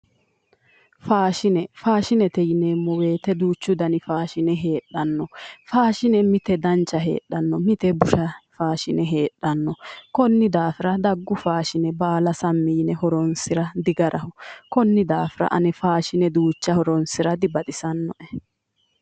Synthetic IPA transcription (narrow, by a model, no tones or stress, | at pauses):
faːʃɪnɛfaːʃɪnɛt̪ɛjneːmːɔwe̞ːt̪ɛd̪uːt͡ʃːʊd̪ɐnɪfaːʃɪnɛɦe̞ːɗːɐnːɔfaːʃɪnɛmɪt̪ɛd̪ɐnt͡ʃːɐɦe̞̰ːɗːɐnːɔmɪt̪ɛbʊʃɐfaːʃɪnɛɦe̞ːᶑːɐnːɔkɔnːɪd̪aːfɪɾɐd̪ɐɡːʊfaːʃɪnɛbaːlɐsɐmːiːnɛɦɔɾɔnsɪɾɐd̪ɪɡɐɾʔɐhʊkɔnːɪd̪aːfɪɾɐ̰ʔɐ̰nɛfaːʃɪnɛd̪uːt͡ʃːɐhɔɾɔnsɪɾɐd̪ɪbɐt̪ʼɪsɐnːɔʔɛ